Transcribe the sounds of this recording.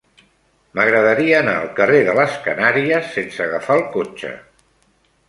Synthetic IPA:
məɣɾəðəɾiəːna̰ə̰lˠkəreðələskənaɾiəsːensəɣafalˠkot͡ʃə̰

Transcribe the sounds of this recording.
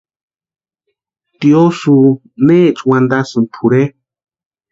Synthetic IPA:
t̪iosu | nẽt͡ʃwãnd̪asɨ̃nt̪ʰuɾe

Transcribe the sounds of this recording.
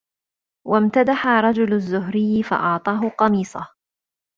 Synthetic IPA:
wʔamt̪ad̪aħaɾˤɑd͡ʒʊlʊzːʊɦɾɪjːfɑ̰ʔɑʕt̪ˤɑːɦʊqɑmiːsˤɑh

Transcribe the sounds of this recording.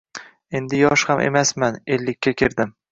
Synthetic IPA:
e̞nd̪ɪjɒʃhamʔe̞̰masmane̞lːɪkʲːakʲʰɪɾd̪ɪm

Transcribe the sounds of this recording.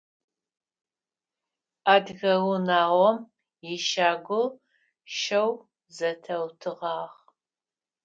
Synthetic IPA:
aːdɣɐwʊnaːʁʷɔm | jɪʃaːɡʷʊ | ʃɐw | zɐtʰɐwtʰɨʁɑːʁ

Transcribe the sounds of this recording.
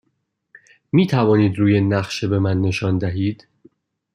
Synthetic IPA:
miːt̪ʰævɒːniːd̪ɾuːjenæχʃebe̞mænːe̞ʃɒːnd̪æɦiːd̪̥

